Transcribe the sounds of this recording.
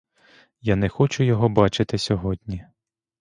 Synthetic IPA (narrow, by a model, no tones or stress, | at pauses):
janɛxɔt͡ʃʊjɔɦɔbɑt͡ʃɪt̪ɪsʲɔɦɔd̪ʲnʲi